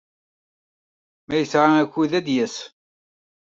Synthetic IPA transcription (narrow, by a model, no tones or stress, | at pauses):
mæjəsʕaækʷːuðæd̪jæs